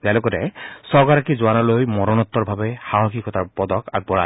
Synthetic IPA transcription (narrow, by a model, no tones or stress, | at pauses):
talokɔtɛsɔɡaɾakizʊanɔlojmɔɹɔnɔt̪ːɔɹbʱabɛxaɦɔxikɔtaɹpɔd̪ɔka̰ɡ̚bɔɹa̰